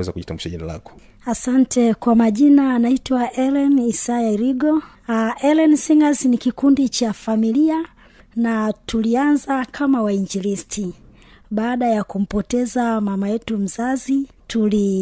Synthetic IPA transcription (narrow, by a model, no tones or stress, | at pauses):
wɛzakuʄitambuʃaʄinala̰kɔ̥ | asantʰɛkwamaʄinanaitwaʔɛlɛnisajaɾiɡɔ | ʔɛlɛnsiŋazinikikundit͡ʃafamilia | natʰulianzakʰamawaiɲd͡ʒiɾistʰi | ɓaːɗajakum̩pɔtɛzamamajɛtum̩zazitʰuli